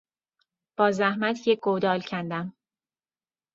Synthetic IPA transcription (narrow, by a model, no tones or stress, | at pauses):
b̥ɒːzæhmæt̪ʰjeɡod̪ɒːlcʰænd̪æm